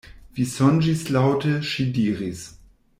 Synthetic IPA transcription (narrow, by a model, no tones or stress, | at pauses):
v̥isɔnd͡ʒislaʊtəʃidiːʁis